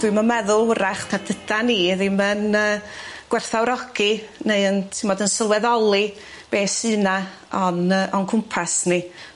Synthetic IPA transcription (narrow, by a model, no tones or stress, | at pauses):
dwɨməmɛðʊlˠwɾaχtʰard̥əd̥aniðɪmənəːɡ̥wɛrθawɾɔɡ̥ineɨəntʰɪmɔdənsəlˠwɛðɔlˠi | b̥eːsɨːna | ɔnəːʔɔnkʰʊmpʰasni